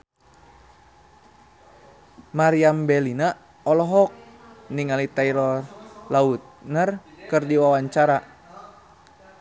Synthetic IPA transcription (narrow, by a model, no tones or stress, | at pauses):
maɾiambɛlina | ɔlɔɦɔk̚ | niŋalit̪aiɾɔrlaut̪̚nərkɨrdiwawaɲt͡ʃaɾa